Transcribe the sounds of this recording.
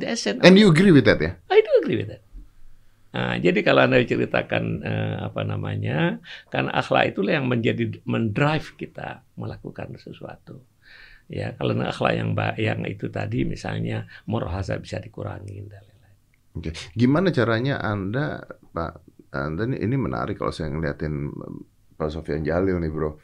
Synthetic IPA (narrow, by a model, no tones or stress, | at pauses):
dɛsɛnɛnjuəɡɾiwɪt̪ɛt̪jaaid̪uəɡɾiwḭt̪̚ɛt̪̚ | əd͡ʒadikaloandadit͡ʃəɾit̪akanəapanamaɲakarnaʔaxla̰ʔit̪ulahjaŋməɲd͡ʒadiməndɾajfkit̪aməlakukansəsuat̪u | jakalonaxla̰ʔjaŋbajaŋḭt̪ut̪adimisalɲamoɾoɦasabisadikuɾaŋindalala | okeɡimanat͡ʃaɾaɲaʔandapa̰ʔandaniʔinimənʔa̰ɾɪkːalo̰wsajaŋəliat̪ɪn | pas̬ofiand͡ʒalɪlnɪbɾo